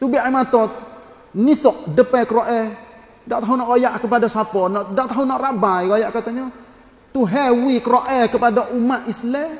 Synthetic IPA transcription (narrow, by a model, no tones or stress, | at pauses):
t̪ubiʔaimat̪ɔt̪̚ | nisɔʔdəpɛkəɾoʔɛ | daʔt̪aɦunɔʔɡojaʔkəpadasapɔnɔdaʔt̪aɦunɔʔrabajkajaʔkat̪aɲɔ | t̪uɦɛwikəɾoʔɛkəpadaʔumaʔislɛ